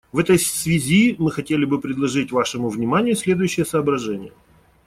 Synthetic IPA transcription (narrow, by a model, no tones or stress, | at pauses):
vɛt̪əjsvʲɪzʲimɨxɐtʲelʲɪbɨpɾʲɪd̪lˠɐʐɨtʲvaʂɨmʊvnʲɪmanʲɪjʊsʲlʲe̞d̪ʊjʉɕːɪjəsɐːbɾɐʐɛnʲɪjə